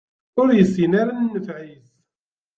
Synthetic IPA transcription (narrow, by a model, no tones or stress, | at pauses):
ʊɾjəsːinaɾanːəfʕiθ